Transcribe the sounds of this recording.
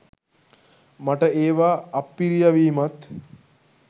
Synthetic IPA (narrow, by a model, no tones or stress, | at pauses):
maʈəeːʋaːpːiɾijaʋiːmat̪